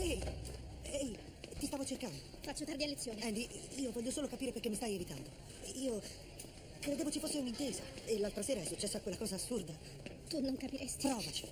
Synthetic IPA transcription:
ɛj | ɛj | t̪ist̪aːvot͡ʃerkand̪o | fat͡ʃːot̪ard̪ialːet̪sːjoːneɛnd̪iiːovɔʎːosoːlokapiːɾeperkemːist̪ajevit̪and̪o | iːo | kɾed̪eːvot͡ʃifosːeunint̪eːzaelːalt̪ɾaseːɾaɛsːut͡ʃːɛsːoakːwelːakɔːzaːsːurd̪a | t̪unoŋkapiɾɛst̪ipɾɔːvat͡ʃi̥

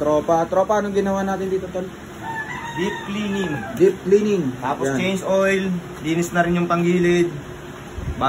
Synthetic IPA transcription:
t̪ɾoːpɐt̪ɾoːpɐnoŋɡɪnɐwaːnaːt̪ɪnd̪iːt̪ot̪ol | d̪ip̚klinɪŋd̪ip̚klinɪŋt̪aːposat͡ʃejnsojl | liːnɪsnɐɾɪnjʊŋpɐŋɡiːlɪd̪̚ | ba

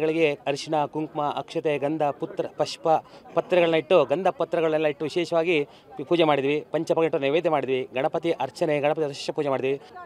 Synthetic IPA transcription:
ɡɐɭiɡe̞ɐɾʂiɳɐkuŋkmɐʔɐkʂɐt̪eɡɐnd̪ʱɐput̪ɾɐpɐʂpɐpɐt̪ːɾɐɡɐɭɐnːɐiʈːuɡɐnd̪ʱɐpɐt̪ːɾɐɡɐɭɐɐlːɐiʈːuʋiʃɛːʃɐʋaːɡi | puːd͡ʒemaːɽid̪iʋipɐɲt͡ʃɐpɐkeɳʈuneʋeːd̪ʱːemaːɽid̪iʋiɡɐɳɐpɐt̪iʔɐɾt͡ʃɐneɡɐɳɐpɐt̪iɐɾɐʃe̥ːɐpuːd͡ʒemaːɽid̪iʋi

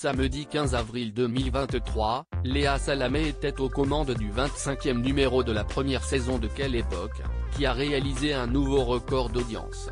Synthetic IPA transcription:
saməd̪ikʲɛ̃zavʁild̪əmilvɛ̃t̪t̪χwaleasalamɛːt̪ɛt̪okɔmɑ̃d̪d̪yvɛ̃t̪sɛ̃kʲjɛmnymeʁod̪əlapχəmjɛʁsezɔ̃d̪əkʲɛlepɔkʲːiaʁealizeɛ̃nuvoʁəkɔʁd̪ɔd̪jɑ̰̃s

